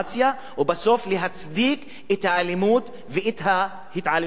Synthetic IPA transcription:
sja | wɪbasoːfliɦat̪sˤd̪iːq | hɪt̪ʕalːɪmuːt̪ | vɪʔɪt̪ɦa | hɪt̪ʕalː

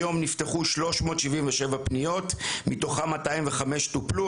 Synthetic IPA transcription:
jo̞mnifteχuʃlo̞ʃmo̞ːtʃivimveʃevapnijo̞tmito̞χamataimveχame̞ʃtuplu

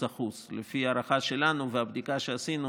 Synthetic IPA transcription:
aχuslefiaɾaχaʃe̞lanuveabd̪ikaʃe̞asinu

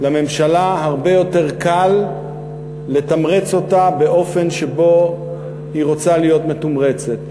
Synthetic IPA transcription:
lame̞mʃalaɦaʁbe̞jo̞te̞ʁkal | e̞t̪amʁet͡so̞tabe̞ʔo̞fe̞nʃe̞bo̞ | hiʁo̞t͡salijo̞tme̞tumʁe̞t͡se̞t̪

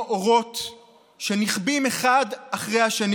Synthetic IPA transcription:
ʔoʁo̞t | ʃeniχbimeχadaχʁejhaʃan

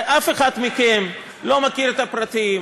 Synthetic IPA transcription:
ʔafeχad̪mikem | lo̞makiɾet̪apʁat̪i

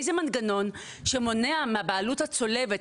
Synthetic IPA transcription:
jzemanɡano̞n | ʃemo̞neameabaaluthat͡so̞levet

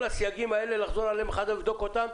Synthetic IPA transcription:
lasijaɡimae̞le̞laχzo̞ʁalemχad̪livd̪o̞ko̞t̪am

